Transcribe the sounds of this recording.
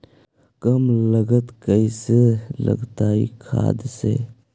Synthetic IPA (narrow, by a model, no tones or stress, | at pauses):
kəmləɡət̪kəiselə̰ɡt̪aːḭkʰa̰ːd̪sḛː